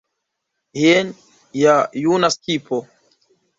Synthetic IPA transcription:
hen | jajunaskipʰo

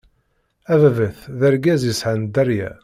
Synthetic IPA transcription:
ævvəθðəɾɡæzisʕənd̪æɾjæ̰

